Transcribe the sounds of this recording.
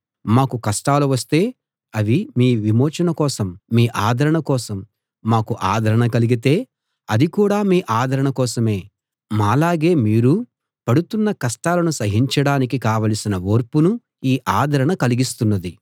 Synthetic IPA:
maːkukɐsʈaːluʋɐst̪e̞ː | ɐʋimiːʋimoːt͡ʃɐnɐkɔːsɐmːiːʔaːd̪ʱɐɾɐɳɐkɔːsɐmː | aːkuʔaːd̪ʱɐɾɐɳɐkɐliɡit̪̬e̞ː | ɐd̪ikuːɽaːmiːʔaːd̪ʱɐɾɐɳɐkɔːsɐme̞ː | maːlaːɡe̞ːmiːɾu | pɐɽut̪unːɐkɐsʈaːlɐnusɐɦiɲt͡ʃɐɽaːnik̬ikaːʋɐːlɐsinɐoːɾpunu | iːʔaːd̪ʱɐɾɐɳɐkɐliɡist̪unːɐd̪i

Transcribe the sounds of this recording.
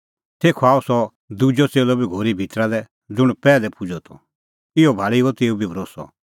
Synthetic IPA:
t̪ʰeːkʰɔaːusɔ | d̪ud͡ʒɔt͡seːlɔbʱiɡʱoːɾibʱit̪ɾad̪ɛ | d͡zʊɽ̃pɛːlɛpʊd͡ʒɔt̪ʰɔ̰ | ɪɔbʱaːɭiot̪eːubʱibʱɾoːsɔ̰

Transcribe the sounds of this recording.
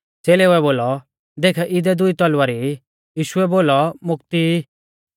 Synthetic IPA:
t͡seːlɛuɛboːlɔ | d̪eːkʰɛʔɪd̪ɛd̪ʊit̪ɔlʊaɾi | jiːʃʊɛboːlɔmʊk̚t̪i

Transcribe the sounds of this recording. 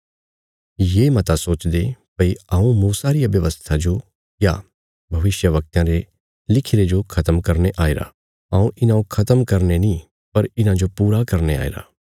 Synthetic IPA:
jemɐt̪asoːt͡ʃd̪epɐiaũmuːsaɾijabjɐʋəst̪ʰad͡ʒo | ja̰ | bʱɐʋɪsjəʋɐk̚t̪jãɾe | lɪkʰɪɾed͡ʒokʰɐt̪əmkɐɾneʔaːeɾa̰ | aũʔɪnãokʰɐt̪əmkɐɾnenĩ | pɐɾɪnãd͡ʒopuːɾakɐɾnea̰ːḛɾa̰ː

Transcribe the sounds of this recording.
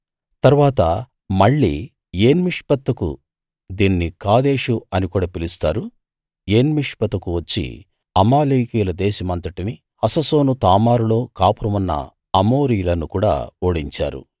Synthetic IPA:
t̪ɐɾuʋaːt̪ɐ | mɐɭːḭː | jeːnmiʂpɐt̪ːɐkṵ | d̪iːnːikaːd̪eːʂuɐnikuːɽɐpilist̪aːɾu | eːnmiʂpɐt̪ɐkuʋɐt͡ʃːḭ | ɐmaːliːkiːlɐd̪eːʃɐmɐnt̪ɐʈini | ɐsɐso̞ːnut̪aːmaːɾulo̞ːkaːpuɾɐmɐnːɐ̰ | ɐmo̞ːɾijlɐnːukuːɽa̰ːoːɽiɲt͡ʃa̰ːɾṵ

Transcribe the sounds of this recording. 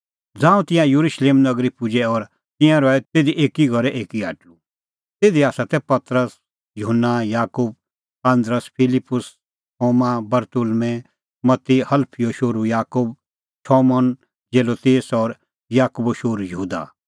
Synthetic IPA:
d͡zãːũt̪ɪ̃jãjuɾuʃleːmnɐɡɾipʊd͡ʒɛɔːɾ | t̪ɪ̃jãɾɔɛt̪eːd̪iʔeːkiɡʱɔɾɛʔeːkia̰ːʈlu | t̪eːd̪iaːsat̪ɛpɐt̪ɾəs | jʊɦənːajaːkuːb̚ | pãnd̪ɾəspʰɪlɪpːʊs | ɦoːmabɐɾt̪ʊlmɛ̃ | mɐt̪ːihɐlpʰijoʃoːɾujaːkuːb | ʈʰɔːmɔn | d͡ʒeːloːt̪eːsɔːɾ | jaːkuboʃoːɾujɐɦuːd̪a̰

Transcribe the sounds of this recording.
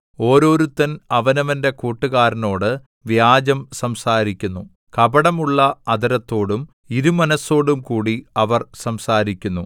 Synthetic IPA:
o̞ːɾo̞ːɾut̪ːɐnɐʋɐnɐʋɐnde̞kuːʈːuɣaːɾɐno̞ːɽɨ | ʋjaːd͡ʑɐmsɐmsaːɾikʲːunːu | kɐbɐɽɐmuɭːɐɐd̪ɐɾɐt̪ːo̞ːɽum | iɾumɐnɐso̞ːɽumkuːɽiɐʋɐrsɐmsaːɾikʲːunːṵ

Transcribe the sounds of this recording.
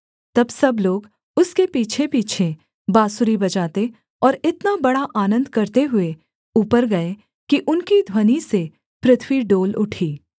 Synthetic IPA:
t̪ɐbsɐbloːɡ | ʊskepiːt͡ʃʰepiːt͡ʃʰe | baːsʊɾibɐt͡ʃaːt̪e | ɔːɾɪt̪nabɐɽaʔaːnə̃nd̪ʱkɐɾt̪eɦʊe | uːpəɾɡɐe | kiʔʊnkid̪ʱwənise | pɾɪt̪ʰwiɖoːlʊʈʰiː

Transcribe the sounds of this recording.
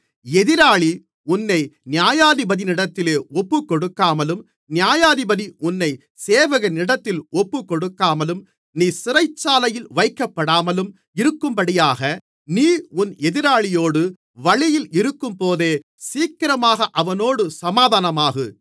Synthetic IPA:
ɛðɪɾaːɭi | ʊnːɐɪnɪjaːjaːðɪbɐðɪnɪɽɐt̪ːɪleːɔpːɯkːɔɽɯkːaːmɐlɯm | nɪjaːjaːðɪbɐðiʊnːɐɪ | seːʋɐɣɐnɪɽɐt̪ːɪlɔpːɯkːɔɽɯkːaːmɐlɯm | niːsɪrɐɪt͡ʃːaːlɐjɪlʋɐɪkːɐpːɐɽaːmɐlɯm | ɪɾɯkːɯmpɐɽɪjaːɣɐ | niːʊnɛðɪɾaːɭɪjoːɽɯ | ʋɐɭɪjɪlɪɾɯkːɯmpoːðeː | siːkːɪɾɐmaːɣɐʔɐʋɐnoːɽɯsɐmaːðaːnɐmaːɣɯ

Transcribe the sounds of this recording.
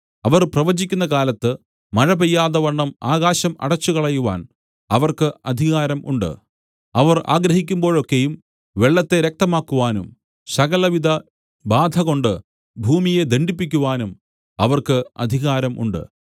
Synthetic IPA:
ɐʋɐrprɐʋɐd͡ʑikʲːunːɐkaːlɐt̪ːɨ | mɐɻɐbejːaːðɐʋɐɳːɐmaːɣaːɕɐmɐ̰ɽɐt͡ɕːukɐɭɐjuʋa̰ːn | ɐʋɐrkɨɐd̪ʱiɣaːɾɐmʔṵɳɖɨ̰ | ɐʋɐra̰ːɡɾɐɦikʲːumbo̞ːɻo̞kːe̞jum | ʋe̞ɭːɐt̪ːe̞ɾek̚t̪ɐmaːkːuʋaːnum | sɐɣɐlɐʋid̪ɐ | baːd̪ʱɐɣo̞ɳɖɨ | bʱuːmije̞d̪eɳɖipːikʲːuʋaːnum | ɐʋɐrkɨɐ̰d̪ʱiɣaːɾɐmʔṵɳɖɨ̰

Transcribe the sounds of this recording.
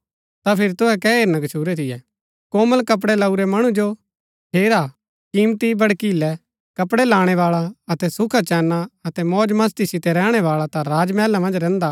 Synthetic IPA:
t̪apʰɪɾt̪ʊɦɛkɛeːɾnaɡɐt͡ʃʰuːɾɛt̪ʰɪjɛː | kɔːməlkɐp̬ɽɛlɐuɾɛmɐɽ̃ud͡ʒo | ʈʰeːɾa | kiːmt̪ibɐɽkilɛ | kɐpɽɛlaːɽ̃ɛʋaːɭaɐt̪ɛsʊkʰat͡ʃɛːnːaɐt̪ɛmɔːd͡ʒmɐs̬t̪isɪt̪ɛɾɛːɽ̃ɛʋaːɭat̪ãɾaːd͡ʒmɛːlamɐ̃nd͡ʒɾɛ̃ːnd̪a

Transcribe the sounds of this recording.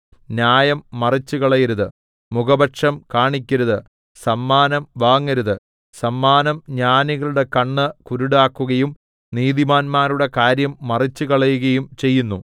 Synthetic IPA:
njaːjɐmːɐrit͡ɕːuɣɐɭɐjiɾuðɨ | mukɐbɐʈʂɐmkaːɳikʲːɐɾuðɨ | sɐmːaːnɐmʋaːŋːɐɾuðɨ | sɐmːaːnɐmɲaːniɣɐɭuɽe̞kɐɳːɨkuɾuɽaːkːuɣɐjum | niːðimaːnmaːɾuɽe̞kaːɾjɐmːɐrit͡ɕːukɐɭɐjuɣɐjumt͡ɕe̞jːunːu

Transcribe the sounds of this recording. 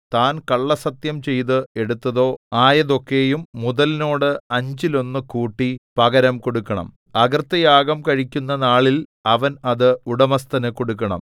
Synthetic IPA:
t̪aːnkɐɭːɐsɐt̪jɐmt͡ɕe̞jt̪̬ɨe̞ɽut̪ːɐðo̞ːaːjɐðo̞kːe̞ːjumːuðɐlno̞ːɽɨɐɲd͡ʑilo̞nːɨkuːʈːipɐɡɐɾɐmko̞ɽukːɐɳɐ̰m | ɐɡɐrt̪ːɐjaːɡɐmkɐɻikʲːunːɐnaːɭilɐʋɐnɐðɨuɽɐmɐst̪ɐnɨko̞ɽuk̬ːɐɳɐ̰m

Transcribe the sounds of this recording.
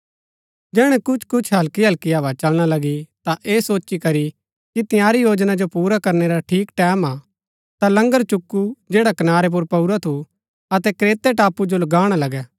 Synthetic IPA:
d͡ʒɛːɽ̃ɛ̃kʊt͡ʃʰkʊt͡ʃʰɦɐlkiɦɐlkiaːʋat͡ʃɐlɽ̃alɐɡit̪aʔeːsoːt͡ʃikɐɾi | kit̪ɪ̃jaːɾijoːd͡ʒnad͡ʒopuːɾakɐɾneɾaʈʰiːkʈɛːma | t̪alɐ̃ŋɡəɾt͡ʃʊkːud͡ʒeːɽakɐnaːɾep̬ʊɾpɐuɾat̪ʰu | ɐt̪ɛkɾeːt̪eʈaːpud͡ʒolɐɡaːɽ̃alɐɡɛː

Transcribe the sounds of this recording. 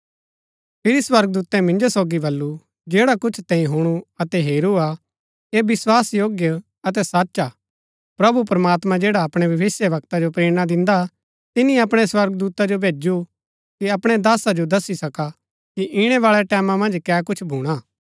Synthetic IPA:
pʰɪɾiswɐɾɡ̚d̪uːt̪ɛ̃mɪ̃nd͡ʒosoːɡibɐlːu | d͡ʒeːɽakʊt͡ʃʰt̪ɛ̃ːĩɦʊɽ̃uɐt̪ɛɦeːɾua | ebɪswaːsjoːɡjə | ɐt̪ɛsaːtːʃa | pɾɐbupɾɐmaːt̪mãd͡ʒeːɽaɐpɽ̃ebʱɐʋɪsjəʋɐk̚t̪ad͡ʒopɾeːɽ̃ad̪ɪ̃nd̪a | t̪ɪnĩɐpɽ̃ɛswɐɾɡd̪uːt̪ad͡ʒobʱeːd͡ʒu | kiɐpɽ̃ed̪aːsad͡ʒod̪ɐsisɐka | kiʔɪɽ̃ɛʋaːɭɛʈɛːmãmɐ̃nd͡ʒkɛːk̬ʊt͡ʃʰbʱuːɽ̃aː

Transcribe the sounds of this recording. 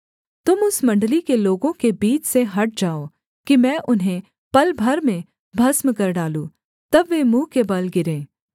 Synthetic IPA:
t̪ʊmʊsmɐ̃ɳɖlikeloːɡõkebiːt͡ʃseɦɐʈ̚ʰd͡ʒaːoː | kimɛ̃ːʔʊnɦẽ | pɐlbʱɐɾmẽ | bʱɐsmkɐɾɖaːlũː | t̪ɐbʋeːmũːkebɐlɡɪɾẽː

